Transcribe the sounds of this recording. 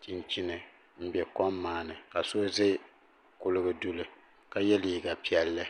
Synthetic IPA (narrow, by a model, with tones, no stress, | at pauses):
ti˦nt͡ʃi˦nɨ˨ | m̩˦bɛ˨kɔ˦mːaː˦˨nɨ˨ka˨so˦ze˦ | kʊ˦lɨ˦ɡɨ˨du˦lɨ˦ | ka˦jɛ˦liː˨ɡa˨pi˨ɛ˨lːɨ˦